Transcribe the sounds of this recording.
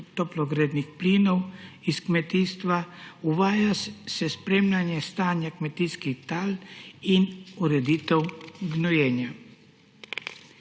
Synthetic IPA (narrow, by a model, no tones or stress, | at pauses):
t̪ɔplɔɡɾeːd̪nixpliːnɔwiskmɛt̪iːst̪ʋauʋaːjasɛspɾeːmlʲanjɛst̪aːnjakmɛt̪iːskixt̪aːlinuɾɛd̪iːt̪ɛwɡnɔjɛːnja